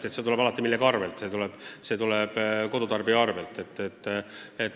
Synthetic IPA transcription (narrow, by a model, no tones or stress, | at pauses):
t̪eset̪ule̥ɑlɑt̪ːˑimilːekɑrvelt̪ːˑse̞t̪uleb̥se̞ːt̪uleb̥ko̞d̪ut̪ɑrbiɑɑrvelt̪ːˑe̞t̪ːet̪ːet̪